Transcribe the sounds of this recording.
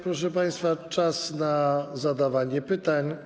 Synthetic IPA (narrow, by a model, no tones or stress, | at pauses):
pɾɔʂɛpaj̃st̪fat͡ʂasnazad̪avaɲɛpɘt̪aɲ